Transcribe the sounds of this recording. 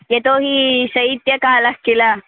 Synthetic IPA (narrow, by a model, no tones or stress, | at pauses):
jet̪oːɦisɐit̪jɐkaːlɐhkilɐ